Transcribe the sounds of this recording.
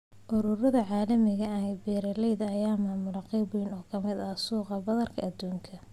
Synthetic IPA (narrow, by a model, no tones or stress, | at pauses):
ʔʊɾʊɾɐðɐʕɑːlɐmɪɣɐɐnbiːɾɐlɛjðɐːjaːmaːmʊlɐqɑjbijnɔːkʰɐmɪd̪ɐsuːqɑbɐðɐrkʰɐʔɐd̪ːuːŋkʰɐ